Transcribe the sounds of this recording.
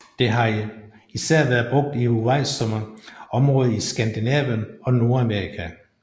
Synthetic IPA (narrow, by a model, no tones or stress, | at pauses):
d̥e̝ɦɑ̈ | isæɐ̰ʋæɐð̩ˠb̥ʁɔ̽ɡ̥̚d̥ihuʋɑ̈ɪ̰sɒmɐɒ̽mʁɔ̽ːð̞̩ˠisɡ̥ænd̥inɛ̰ːʋjənɒ̽no̝ɐæmeʁikʰæ